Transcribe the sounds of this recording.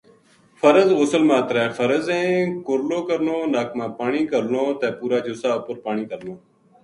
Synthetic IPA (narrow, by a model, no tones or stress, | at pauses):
fʰəɾəzoːsəlmãːt̪ɾɛːfʰəɾəzɛ̃ːkʊɾloːkəɾnoːnaːkʰmãːpaːɳiːkəɾnoːt̪ɛːpuːɾaːd͡ʒʊːsaːʊpəɾpaːɳiːkəɾnoː